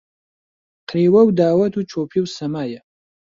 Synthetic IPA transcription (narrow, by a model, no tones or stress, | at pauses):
qʰɾiːwɐwd̪aːwɐt̪ʰuːt͡ʃʰopʰiwsɐmaːjɐ